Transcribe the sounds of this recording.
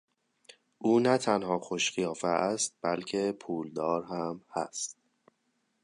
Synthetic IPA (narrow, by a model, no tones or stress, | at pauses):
ʔuːnæt̪ʰænhɒːxoʃχijɒːfeæst̪̚b̥ælcʰe̞pʰuːld̪ɒːɾɦæmhæst̪̚